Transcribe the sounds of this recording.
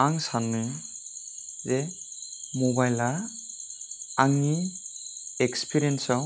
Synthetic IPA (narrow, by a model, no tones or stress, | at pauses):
aŋsanmɯ | ze | mobajla | aŋi | ekspʰiɾiensaw